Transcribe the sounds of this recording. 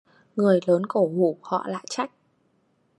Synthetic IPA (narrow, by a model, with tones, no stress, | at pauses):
ŋɨ˨˩əjləː˨˦nko˧˩hu˧˩hɔ̰˧˨la̰ː˧˨jt͡ɕa˦˥jk̟̚